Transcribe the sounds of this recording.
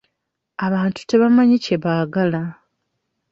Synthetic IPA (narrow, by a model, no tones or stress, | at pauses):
aβaːntu̥te̞βamaɲice̞βaːɡala